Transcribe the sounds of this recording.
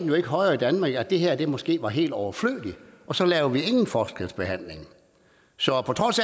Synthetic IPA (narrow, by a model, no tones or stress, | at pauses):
n̩jo̝e̝ɡ̥əɦɒ̽ɪɐːid̥ænmɑ̈ːɡ̥æd̥e̝ɦeɐ̰d̥e̝mɒ̽sɡ̥e̝̰ːʋɑ̈ɦe̝̰ːld̥ɒʊɐflø̰ːliʔɒ̽sɒ̽lɛːʊɐʋie̝ŋn̩fɒːsɡ̥ʁed̥ˠsb̥e̝ɦæn̰le̝ŋ | sɒ̽pʰɒ̽t͡sʰʁɒ̽s